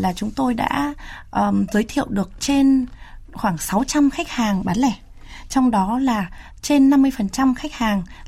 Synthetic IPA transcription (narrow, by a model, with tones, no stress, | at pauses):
laː˨˩t͡ɕʊ˨˦ŋ͡mt̪o˧jɗa̰ː˧˥ʔəː˨˩zəː˨˦jt̪ʰḭ˧˨əwɗɨ˨˩ək̚t͡ɕe˧nxwaː˧˩ŋsa˨˦wt͡ɕa˧mxa˦˥k̟̚haː˨˩ŋɓaː˨˦nlɛ˧˩ | t͡ɕɔ˧wŋ͡mɗɔ˨˦laː˨˩ | t͡ɕe˧nːa˧mːɨ˧əjfə˨˩nt͡ɕa˧mxa˦˥k̟̚haː˨˩ŋ